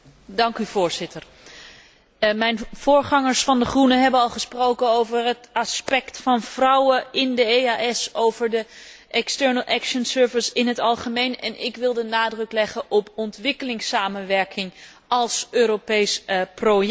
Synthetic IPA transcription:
dɑŋkyv̥ʊːɹz̥ɪtʰəɹ | mɛjnv̥ʊːɹχɑŋəɹsfɑndəχrunəɦɛbənɑlˠχəsprowkənowvərɦətɑspɛktfɑnv̥rɑwəɪndəejaɛsowvəɹdə | ʔɛkstɛɹnəlˠʔɛkʃənsøːɹvɪsɪnɦətɑlˠχəmejnɛ̰nʔɪkʋɪlˠdənaːdrɵklɛχənʔɔpɔntʋɪkəlɪŋsaːmənʋɛɹkʰɪŋ | ɑlˠsøːropejspro

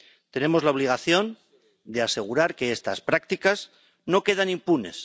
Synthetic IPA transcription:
t̪e̞ne̞mo̞zlao̞β̞liɣ̞aθjo̞n | d̪e̞ase̞ɣuɾaɾke̞est̪a̰spɾak̚t̪ikaz | no̞ke̞ð̞anĩmpune̞̰s

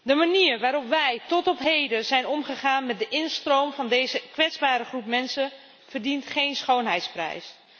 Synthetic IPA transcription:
dəmaniːrʋaːɾɔpʋɛjtɔtɔpɦejdəzɛjnɔmχəχaːnmɛt̚dəʔɪnstrowmvɑndejzəkʋɛtzbaːɾəχrupmɛnsə | vərdintχejnsχownɦɛjtsprɛ̰js

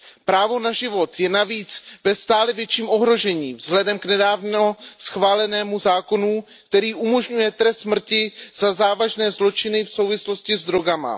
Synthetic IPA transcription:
pɾaːvo̞naʒɪvo̞t̪jɛnaviːt͡svɛst̪aːlɛvjɛt͡ʃiːmʔo̞ɦɾo̞ʒɛɲiːvzɦlɛdɛmknɛdaːvnosxvaːlɛnɛːmuzaːko̞nu | kt̪ɛɾiːʔumo̞ʒɲujɛt̪ɾɛst̪smr̩cɪz̥azaːvaʒnɛːzlo̞t͡ʃɪnɪfsowvɪslo̞scɪzd̪ɾo̞ɡama̰

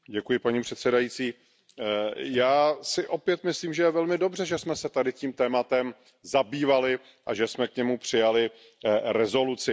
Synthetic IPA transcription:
ɟɛkujɪpaɲipr̝̥ɛt̪sɛdajit͡siː | jaːsɪʔo̞pjɛt̪mɪsliːmʒɛjɛvɛlmɪdo̞brɛʒɛsmɛsɛt̪adɪciːmt̪ɛːmat̪ɛm | zabiːvalɪ | ʔaʒɛsmɛkɲɛmupr̝̥ɪjalɪ | ɾɛzo̞lut͡sɪ

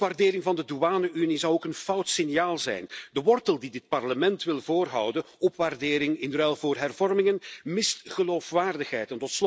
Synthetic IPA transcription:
ʋaːrdɪːɾɪŋvɑndəduaːnəʔynizɑwokənfɑwtsɪnjaːlˠzɛ̰jndəʋɔrtəlˠdidɪt̚pɑrləmɛntʋɪlˠvoːrɦɑ̰wdən | ɔpʋaːrdɪːɾɪŋɪnrɛlˠvoːrɦɛrvɔrmɪŋənmɪstχəloːfʋaːrdəxɦɛjtɛntɔts

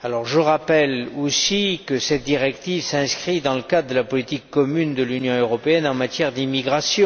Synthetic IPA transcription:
alɔʁʒəʁapɛlosikəsɛt̪̚d̪iʁɛkt̪ivsɛ̃skχid̪ɑ̃ləkad̪ʁəd̪əlapɔlit̪ikːɔmynd̪əlynjɔ̃øʁɔpeɛnɑ̃mat̪jɛʁd̪imiɡʁasjɔ̃

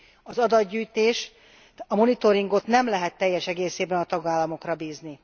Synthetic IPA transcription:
ɒzɒd̪ɒd̪ɟyːjt̪eːʃ | ɒmo̞nit̪o̞ɾiŋɡo̞t̪nɛmlɛɦɛt̪ːɛjːɛʃɛɡeːseːbɛnɒt̪ɒɡaːlːɒmo̞krɒbiːzni

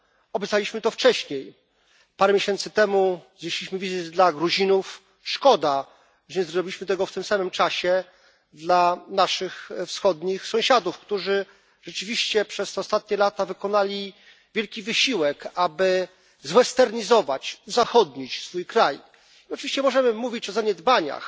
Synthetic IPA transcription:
ɔbʲjɛt̪alʲiɕmɘt̪ɔft͡ʂɛɕɲej | paɾɛmʲjeɕɛnt̪sɘt̪ɛmuzɲeɕlʲiɕmɘvʲized͡ʑd̪laɡɾuʑinuf | ʂkɔd̪a | ʐɛɲɛzɾɔbʲilʲiɕmɘt̪ɛɡɔft̪ɘmsamɘmt͡ʂaɕɛ | d̪lanaʂɘxfsxɔd̪ɲixsɔ̃w̃ɕad̪ufkt̪uʐɘ | ʐɛt͡ʂɘvʲiɕt͡ɕɛpʂɛst̪ɛɔst̪at̪̚ɲɛlat̪avɘkɔnalʲi | vʲjɛlkʲivɘɕiwɛkabɘ | zwɛst̪ɛɾɲizɔvat͡ɕuzaxɔd̪ɲit͡ɕsfujkɾaj | iɔt͡ʂɨvʲiɕt͡ɕɛmɔʐɛmɘmuvʲit͡ɕɔzaɲɛd̪baɲa̰x

